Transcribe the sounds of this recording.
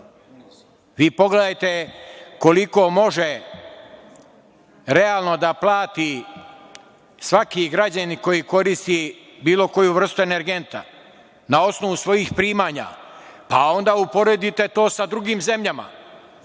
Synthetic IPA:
ʋiːpo̞ɡle̞d̪ajt̪e̞ko̞liko̞mo̞ʒe | ɾe̞aːlˠno̞d̪aplˠaːt̪i | sʋakiɡɾad͡ʑaniko̞jiko̞ɾist̪i | biːlo̞ko̞juʋr̩st̪ue̞ne̞ɾɡe̞nt̪a̰ | nao̞sno̞ʋusʋo̞jixpɾiːmaːɲa̰pao̞nd̪aːupo̞ɾe̞d̪it̪e̞t̪o̞ːsad̪ɾuɡiːmze̞mʎama̰

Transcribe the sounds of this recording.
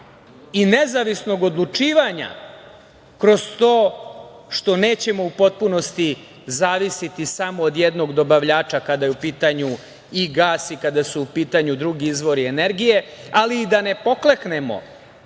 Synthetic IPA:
ine̞zaʋisno̞ɡod̪lˠut͡ʂiːʋaɲa̰ | kɾo̞z̥t̪o̞ːʃt̪o̞ne̞ːt͡ɕe̞mo̞upo̞t̪̚puno̞st̪i | zaːʋisit̪isamo̞ːd̪jed̪no̞ɡd̪o̞baʋʎaːt͡ʂakad̪ajeupiːt̪aɲu | iɡaːsikad̪asuupiːt̪aɲud̪ɾuɡiizʋo̞ɾie̞ne̞ɾɡije̞aliːd̪ane̞po̞klekne̞mo̞̰

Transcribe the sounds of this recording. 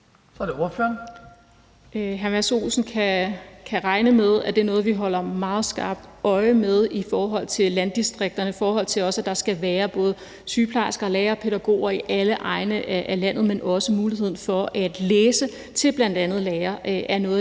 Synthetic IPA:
sɒd̥eo̝ɐfø̰ːɐn | ɦæɐmæso̝̰ːsn̩kʰækʰæʁɑ̈ɪnəmeð̞ˠæd̥e̝ɐnɔ̽ːð̩ˠʋiɦɒ̽l̰ɐmɑ̈ːð̞̩ˠsɡ̥ɑ̈ːb̥̚d̥ɒ̽ɪəmeð̞ˠifɒːɦɒ̽l̰t͡sʰe̝llænd̥isd̥ʁeɡ̥̚d̥ɐnəifɒːɦɒ̽l̰t͡sʰe̝lɒ̽səæd̥ɑ̈sɡ̥æʋæːɐb̥ɔ̽ːð̞̩ˠə | syːpʰlɑ̈ɪsɡ̥ɐːlɛːɐpʰe̝ðæɡ̥o̝̰ːɐiʔæləʔɑ̈ɪnəʔæʔælæn̰ð̞̩ˠmenʔɒ̽səmuːlihe̝ð̞̰ˠn̩fɒ̽ʔæd̥leːsə | t͡sʰe̝b̥læn̰d̥ænð̞̩ˠlɛːɐʔʔæɐnɔ̽ːð

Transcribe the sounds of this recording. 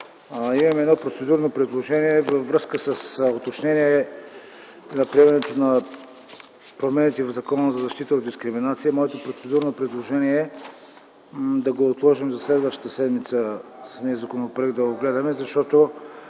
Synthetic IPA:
imɐmɛd̪nɔpɾot̪sɛd̪uɾnopɾɛd̪lˠoʒɛniɛvɐvɾɤskəsəsot̪ot͡ʃnɛniɛ | nɐpɾiɛvɐnɛt̪onɐ | pɾomɛnit̪ivvzɐkɔnəzɐzɐʃt̪it̪əod̪iskɾiminat̪sijəmɔɛt̪opɾot̪sɛd̪uɾnopɾɛd̪lˠoʒɛniɛ | d̪ɐɡoːt̪lˠɔʒimzɐslɛd̪vəʃt̪ə̥t̪əsɛd̪mit̪səsə̥miəzɐkonopoɛɡ̪d̪ɐoɡlɛd̪ɐmɛzɐʃt̪ɔt̪o

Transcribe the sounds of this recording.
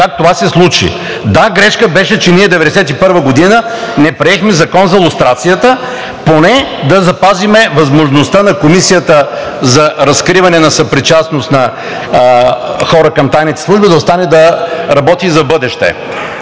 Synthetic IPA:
kak̚t̪ovasɛslˠut͡ʃḭ | d̪aɡɾɛʃkəbɛʃɛt͡ʃɛniɛd̪ɛvɛd̪ɛsɛt̪ipɤɾvəɡod̪inənɛpɾiɛxmɛzɐkɔnzɐlˠust̪ɾat̪sijət̪ə | ponɛd̪ɐzɐpazimɛvɐzmoʒnost̪anɐkomisijət̪ə | zɐɾɐskɾivɐnɛnɐsɐpɾit͡ʃasnost̪nɐ | xɔɾəkɐmt̪ajnit̪ɛslˠuʒbid̪ɐost̪anɛd̪ɐɾɐbɔt̪iːzɐbɤd̪ɛʃt̪ɛ̰

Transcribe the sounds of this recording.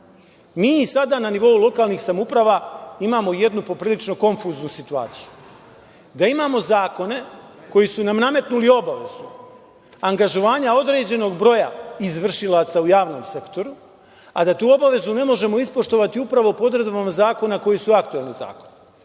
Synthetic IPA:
miːisad̪ananiʋo̞ulˠo̞kaːlˠnixsamupɾaʋaimaːmo̞je̞d̪nupo̞pɾiːlit͡ʃno̞ko̞ɱfuːznusit̪ua̰ːt̪siju | d̪aimaːmo̞zaːko̞ne̞ | ko̞jisunamname̞t̪nulio̞baʋe̞zu | aŋɡaʒo̞ʋaːɲao̞d̪ɾe̞ːd͡ʑe̞no̞ɡbɾo̞ja̰izʋr̩ʃilˠat̪saujaːʋno̞mse̞kt̪o̞ɾu | ad̪at̪uːo̞baʋe̞zune̞mo̞ʒe̞mo̞ispo̞ʃt̪o̞ʋat̪iupɾaʋopo̞d̪ɾed̪bamazaːko̞nako̞jisuakt̪ue̞lniza̰ːko̞̥n

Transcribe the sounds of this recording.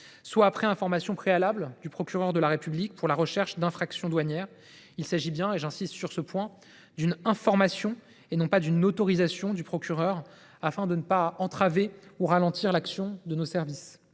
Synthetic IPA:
swaːpχɛɛ̃fɔʁmasjɔ̃pχealabld̪ypχɔkʲyʁœʁd̪əlaʁepyblik̚puʁlaʁəʃɛʁʃd̪ɛ̃fχaksjɔ̃d̪waɲjɛːʁ | ilsaʒibjɛ̃eʒɛ̃sist̪syʁsəpwɛ̃ | d̪ynɛ̃fɔʁmasjɔ̃ | enɔ̃pad̪ynot̪ɔʁizasjɔ̃d̪ypχɔkʲyʁœʁ | afɛ̃d̪ənəpaɑ̃t̪χaveuʁalɑ̃t̪iʁlaksjɔ̃d̪ənosɛʁvis

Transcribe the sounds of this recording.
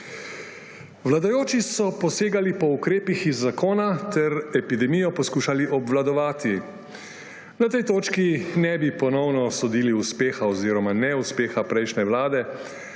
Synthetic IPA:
ʋlad̪ajoːt͡ʃisɔpɔseːɡalipɔukɾeːpixizːakoːnat̪ɛɾɛpid̪ɛmijɔpɔskuːʃaliʔɔbʋlad̪ɔʋaːt̪i | nat̪ɛjt̪oːt͡ʃkinɛbipɔnɔwnɔsɔd̪iːliuspeːxaɔziːɾɔmanɛuspeːxapɾɛjʃnɛʋlaːd̪ɛ

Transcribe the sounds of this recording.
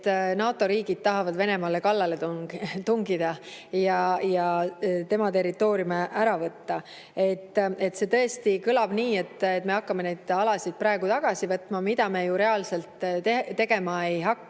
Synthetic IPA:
t̪ːnɑːt̪ːˑo̞ɾiːɡid̪̥̚t̪ɑɦɑvɑd̪ve̞ne̞mɑle̞kɑlːɑlet̪t̪uŋɡid̪̥ɑjɑjɑt̪e̞mɑt̪e̞ɾit̪ːˑo̞ːɾjumeʔæɾɑvɤt̪ːɑ | e̞t̪ːe̞t̪se̞t̪ɤ̞e̞st̪ikɯlɑb̥niːe̞t̪ːet̪ːme̞ɑkːɑme̞ne̞jd̪̥ɑlɑsid̪̥̚prɑeɡ̥ut̪ɑɡ̥ɑsivɤt̪ːmɑmid̪ɑme̞juɾe̞ɑlse̞lt̪ːet̪e̞ɡe̞mɑe̞jɦɑkː

